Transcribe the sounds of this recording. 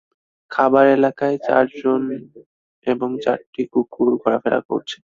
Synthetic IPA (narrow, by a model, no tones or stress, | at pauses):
kʰabaɾelakaet͡ɕa̰ɾd͡ʑon | eboŋt͡ɕa̰ɾʈikukuɾɡʱɔɾafeɾa̰ko̰ɾt͡ɕʰe̥